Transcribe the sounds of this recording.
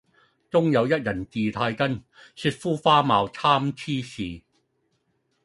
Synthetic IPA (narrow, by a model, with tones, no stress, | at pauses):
t͡sʊ˥ŋjɐ˨˧wjɐ˥t̚jɐ˨˩nt͡siː˨t̪ʰaː˧jkɐ˥n | sy˧t̚fuː˥faː˥maː˨˧wt͡sʰaː˥mt͡sʰiː˥siː˨